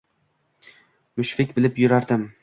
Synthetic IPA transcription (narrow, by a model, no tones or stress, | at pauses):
mʊʃfɪkʲbɪlɪpjʊɾaɾd̪ɪm